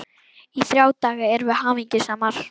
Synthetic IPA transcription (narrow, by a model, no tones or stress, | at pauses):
iθɾjaːwt̪aːɣaɛɾvɪhaːviɲcɪsaːmaɾ̥